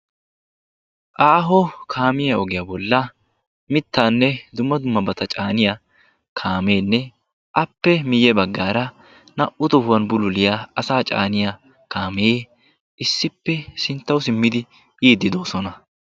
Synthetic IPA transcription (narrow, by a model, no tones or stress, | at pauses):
ʔaːɦɔkʰaːmɪjɐɔɡɪjabɔlːɐ | mɪt̪ːaːnːɛd̪ʊmːɐd̪ʊmːɐbɐt̪ɐt͡ʃʼaːnɪja | kʰaːme̞ːnːɛ | ʔɐpːɛmɪjɛbɐɡːaːɾɐ | nɐʔʊt̪ʊhʊwɐnbʊlʊlɪjaɐsaːt͡ʃʼa̰ːnɪja | kʰaːmeː | ʔɪsːɪpːɛsɪnt̪ːɐwʊsɪmːɪd̪ɪ | jiːd̪ːɪd̪oːsɔnɐ